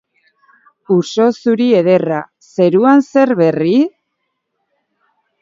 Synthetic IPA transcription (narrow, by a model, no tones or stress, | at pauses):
uso̞suɾie̞ðe̞ra | se̞ɾuanse̞ɾβe̞ri